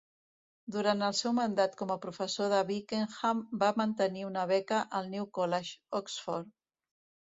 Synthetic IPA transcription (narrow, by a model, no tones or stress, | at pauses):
d̪uɾant̪əlˠsɛwmənd̪at̪kɔməpɾufəsoðəβikeŋxambamənt̪əniunəβ̞ɛkəʔəlˠniwkɔlɛʃɔksfɔɾ